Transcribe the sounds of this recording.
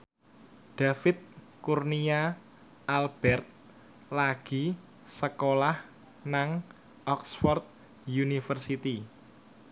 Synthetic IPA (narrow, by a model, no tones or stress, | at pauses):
d̪̥a̤fɪt̪̚ | kurnia | alb̥ɛrt̪̚ | laɡ̥i̤ | səkolah | naŋ | ʔɔksfɔrt̪̚ | junifərsit̪i